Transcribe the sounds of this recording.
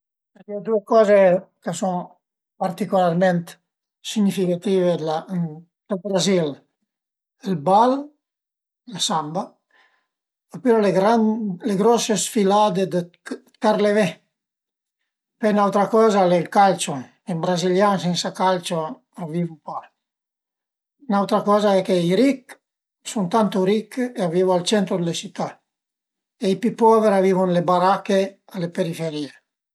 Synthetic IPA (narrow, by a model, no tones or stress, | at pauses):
ad̪iod̪uekɔːzekəsɔŋ | paɾt̪ikulaɾmɛnt̪ | siɲifikat̪ivela | d̪̥əlbɾazil | elbal | lasamba | apeɾɔleɡɾanleɡɾɔsesfilad̪ed̪ə | kaɾleve | pejnawt̪ɾakɔːzalelkalt͡ʃo | ebɾaziljansinsakalt͡ʃo | avivupa | nawt̪ɾakɔːzaɛkeiɾik | sunt̪ant̪uɾikːeavivalt͡ʃɛnt̪ɾod̪elet͡ʃit̪ːa | ejpipɔveɾavivunlebaɾakealepeɾifeɾie